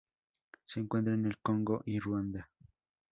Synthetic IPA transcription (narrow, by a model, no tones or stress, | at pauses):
se̞ːŋkwe̞nt̪ɾaene̞lkoŋɡo̞ʔirwand̪a